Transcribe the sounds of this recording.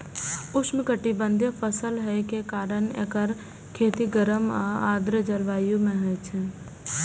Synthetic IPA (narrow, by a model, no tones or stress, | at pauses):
ʊsmẽkəʈibə̃nd̪ʱjepʰəsəlɦɛkekaːɾənḛkəɾ | kʰeːt̪iɡəɾəməaːd̪ɾəd͡ʒəlʋaːjũmẽɦɛt͡ʃʰɛ̃